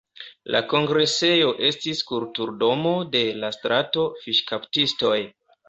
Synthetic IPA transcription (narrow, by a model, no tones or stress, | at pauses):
lʔa̰ko̞ŋɡɾe̞se̞jo̞ʔe̞stiskuɾtuɾdo̞mo̞de̞lastɾato̞fiʃkaptisto̞j